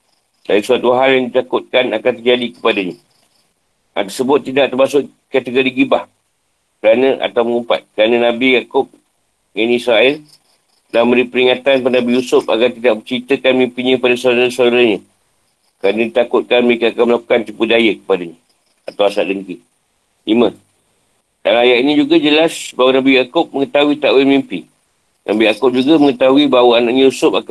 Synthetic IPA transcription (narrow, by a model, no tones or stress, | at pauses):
dadisuat̪uɦaljaŋdit̪akʊt̪̚kanakant̪ərd͡ʒadikə̥padaɲa | ʔa̰t̪ərsəbʊt̪ːidaʔt̪ərmasʊʔ | kat̪əɡoɾiɡibah | kəɾanə̃ʔa̰t̪awməŋumpa̰t̪̚kəɾanənãbijakʊp̚ | janisɾaɛl | laməɾipəɾiŋat̪anpanãbijusʊp̚a̰ɡart̪idaʔ̚bət͡ʃəɾit̪əkanmimpinɲə̃padasalɾasaluɾahɲə̃ | kəɾanədit̪akʊt̪̚kanməɾekaakaməlaku̥kant̪ipudajəkə̥padaɲa | at̪awasaʔdəŋki | limə | danajaʔ̪inĩd͡ʒuɡad͡ʒəlasbawanabijakʊp̚məŋət̪auit̪aʔwilmimpi | nʔa̰bijakʊp̚d͡ʒuɡaməŋət̪aɦuibawaanaʔɲə̃jusʊp̚ak